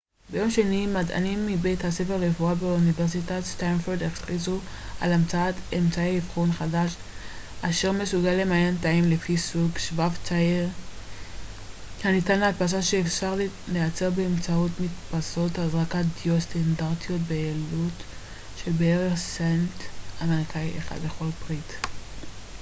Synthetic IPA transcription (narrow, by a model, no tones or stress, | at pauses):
be̞jo̞mʃenimada̰nimːibe̞jthase̞feʁlefuabeuniveʁs̬itatstanfoɾd̪eχχizu | a̰lamt͡saatemt͡saeifχonχadaʃ | ʔaʃe̞ʁme̞suɡalemajantaimlefisuɡʃvavt͡saeʁ | hanitanleat̚pas̬aʃeːfʃaʁlleat͡se̞ʁbeːmt͡saotmitpaso̞thazʁakat̚diost̪andaʁtijo̞tbeelut | ʃebeeʁeχsentameʁikajʔeχa̰dleχo̞lbʁit